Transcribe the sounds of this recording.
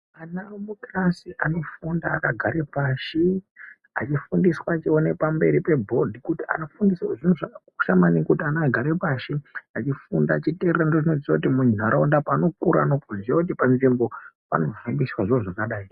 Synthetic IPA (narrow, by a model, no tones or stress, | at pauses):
anamukrasiʔano̞fundaːkaɡʱaɾepaʃi | a̰t͡ʃifundiswaːt͡ʃione̞pambe̞ɾipe̞bʱo̞dʱikutia̰nofundiswaʐin̤uʐaka | u̥ʃamanikutianaɡʱaɾepaʃiat͡ʃifundaːt͡ʃitererandoʐino̞zit͡swakutimuɲn̤aɾaundapano̞kuɾa̰nopoziautipanʐimbopa̰no̞vambiswaʐiwoʐakaɗaːi